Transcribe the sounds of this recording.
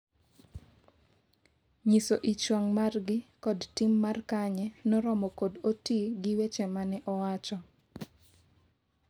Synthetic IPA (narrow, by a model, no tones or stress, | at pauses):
ɲisoʔit͡ʃwaŋmarɡɪkɔdtimːarkaɲɛnɔɾɔmɔkodotiɡɪwet͡ʃemanɛʔɔwat͡ʃɔ